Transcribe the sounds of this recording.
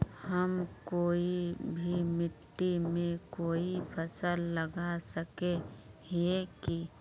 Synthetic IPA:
həmkoːibʱimɪt̪ːimẽkoːipʰəsəlːəɡasəkeɦeki

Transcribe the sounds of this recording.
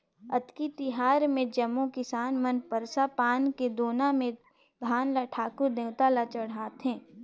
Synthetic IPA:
ɐt̪kit̪ɪɦaːɾmẽd͡ʒɐmːokɪsaːnmənpəɾsapaːnked̪oːnãmẽ | b̪ʱaːnlaʈʰaːkʊɾd̪eːʊt̪alat͡ʃɐɽ̤aːt̪ɦɛ̃ː

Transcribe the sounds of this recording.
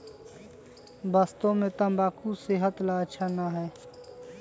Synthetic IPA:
baːst̪õmẽt̪ə̃mbaːkuseɦət̪laəʃʰanaɦɛː

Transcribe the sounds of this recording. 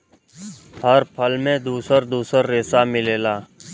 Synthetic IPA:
həɾpʰəlmẽːd̪uːsəɾd̪uːsəɾːeːsaːmɪleːlaː

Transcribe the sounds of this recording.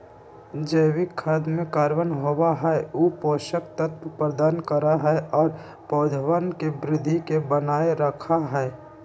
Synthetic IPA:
d͡ʒəɪwɪkʰːəd̪mẽkaːɾʋənɦowaɦɛuːpoːʃək̚t̪ət̪pəpɾəd̪aːnkəɾaɦɛɔːɾ | pɔːd̪ʱəwənkebɾɪd̪ʱːikebənaːeɾəkʰaɦɛː

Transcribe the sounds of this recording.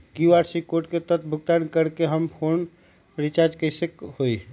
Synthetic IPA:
kiwaɾsikoʈket̪ət̪ʰbʱuɡt̪ankəɾkeɦəmpʰon | pɾit͡ʃaɾd͡ʒkəjsekhoi

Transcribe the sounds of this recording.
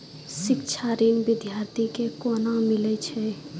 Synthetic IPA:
ʃɪk̚t͡ʃʰaɾeŋʋɪd̪ʱjaːɾt̪ʰikekoːnamɪlet͡ʃʰɛ

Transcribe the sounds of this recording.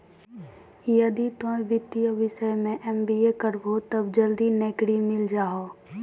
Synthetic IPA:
jəd̪it̪õeʋɪt̪ːijəʋɪʃəjmẽʔɛmbiekəɾbot̪əbd͡ʒəld̪ineːkɽimɪld͡ʒaːɦoː

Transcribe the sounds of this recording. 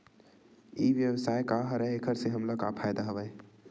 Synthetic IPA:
iʋjəwsajkaɦɾəɦekʰəɾseɦəmləkapʰajd̪aɦəbɛj

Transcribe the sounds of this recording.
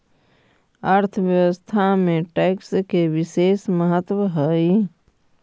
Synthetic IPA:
aɾt̪ʰəʋjəʋəst̪ʰamẽʈɛːkskeʋɪʃeːsməɦət̪wəɦɛi

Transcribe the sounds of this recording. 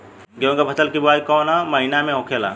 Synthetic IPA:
ɡẽɡabʱətəlkibuaikɔnaməɦinameɦõkʰela̰

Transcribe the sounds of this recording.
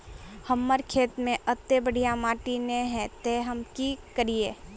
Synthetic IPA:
həmːəɾkʰeːt̪mẽʔət̪ːebəɽ̤ijamaːʈineɦɛ̃t̪eɦɐmkikəɾijeː

